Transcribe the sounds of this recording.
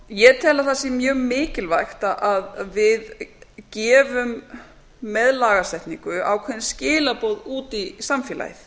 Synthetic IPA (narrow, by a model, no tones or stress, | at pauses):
jɛt̪ʰɛːlaθasimjœːɣmɪːcɪlvajxt̪aʔaðvɪðcɛːvʏmː | ɛðlaːɣast̪ɛjht̪niŋkʏa̰wkʰvɛnscɪːlapoːwðuːt̪isamfjɛla̰jθ